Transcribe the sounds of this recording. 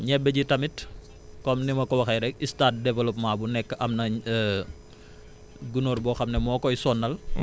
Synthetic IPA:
ɲɛbːɛɟitɐmit | kɔmnimɐkɔwɐxɐjɾɛk̚istaːt̚dɛvɐlɔpmabunɛkːʔɐmnɐ | ɡunoːrbɔxɐmnɛmɔːkɔjsɔnːɐl

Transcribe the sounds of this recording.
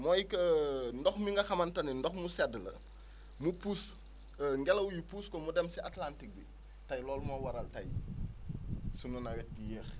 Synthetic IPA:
mɔːjkɐndɔxmiŋɡɐxɐmɐntɐnindɔxmusɛdlɐ̰ | mupus | ŋɡɛlɐwjupuːskɔmudɛmsiʔatlantik̚bi | tɐjlɔːlmɔwɐɾɐltɐj | sununɐwɛt̚dijɛːx

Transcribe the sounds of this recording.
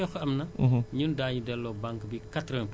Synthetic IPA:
ɔxɐmnɐɲundaːɲudɛlːɔːbaŋkbikatɾɔnp

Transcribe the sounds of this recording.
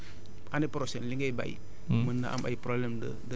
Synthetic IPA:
anepɾosɛnliŋɡejba̰ḭ | mənːa̰ʔa̰ma̰ipɾoblɛmdədə

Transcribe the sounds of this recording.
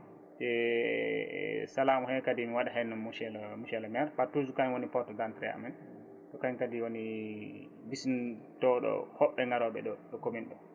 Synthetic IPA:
sɛ | salamuhɛkadimiwaɗaɦɛnːamuʃɛlmuʃɛlamɛaɾpatud͡ʒukaɲwonipɔtɔdantɾɛ̰a̰mɛn | tɔkaɲkadiwoni | bisntɔɗɔ̰hɔɓːɛŋɡaɾɔɓɛɗɔɗɔkominɗɔ

